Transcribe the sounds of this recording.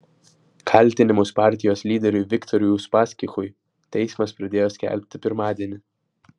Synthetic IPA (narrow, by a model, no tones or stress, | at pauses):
kʰɐˑlʲˑt̪ʲɪnʲɪmʊspɑˑɾʲt̪ʲɪjoːslʲiːd̪ʲɛɾʲʊjʋʲɪkt̪ɔɾʲʊjuːspɑːsʲkʲɪxʊj | t̪ʲɛɪsmɐspɾɐd̪ʲeːjoːsʲkʲɛ̰lʲpʲt̪ʲɪpʲɪɾmɑːd̪ʲiɛnʲɪ